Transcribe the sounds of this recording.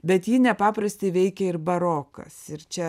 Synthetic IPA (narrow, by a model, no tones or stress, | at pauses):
bʲɛt̪jiːnʲɛpɑːpɾɐsʲt̪ʲeɪʋʲɛɪkʲɛɪrbɐɾoːkɐ̰sɪɾt͡ʃʲɛ